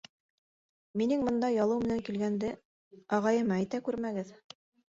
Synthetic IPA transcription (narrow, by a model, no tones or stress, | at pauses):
minɘŋbɤ̆nd̪ɑjɑlˠɤwmɘ̆næŋkilɡænd̪ɘ | ɑʁɑjɤ̆mæjt̪ækʉɾmæɡɘð